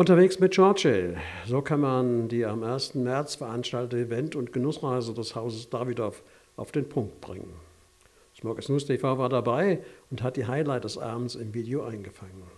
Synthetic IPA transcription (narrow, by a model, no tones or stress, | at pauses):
ʔʊntɐveːksmɪt̚t͡ʃaɐtʃezoːkʰanmandiːamʔeɐstn̩mɛɐt͡sfɛɐʔanʃtaltətɪvɛntʊntɡ̥ənʊsʁaɪzədɛshaʊzəsd̥aːvidɔf | ʔa̰ʊfd̥eːnpʰʊŋk̚t̚b̥ʁɪ̰ŋə̰n | smɔkɛsnuːstʰefaʊvaːɐdabaɪʔʊntɦat̚d̥iːɦaɪlaɪt̚d̥ɛsʔa̰ːbmn̩sɪmviːdeoʔaɪnɡəfaŋən